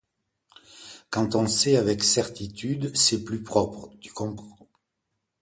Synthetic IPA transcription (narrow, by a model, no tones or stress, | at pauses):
kɑ̃t̪ɔ̃sɛavɛksɛʁt̪it̪yd̪sɛplypχɔpχəd̪y̥kɔ̃pχɑ̃